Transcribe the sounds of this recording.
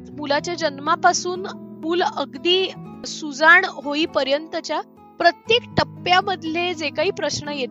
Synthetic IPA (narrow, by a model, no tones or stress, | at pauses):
mulat͡ɕjad͡ʑənmapasuːnmuːləɡd̪iːsud͡zaɳɦoiːpəɾjənt̪ət͡ɕja | pɾət̪jekʈəpːjaməd̪ʱljed͡zekaɦiːpɾəɕɳəjet̪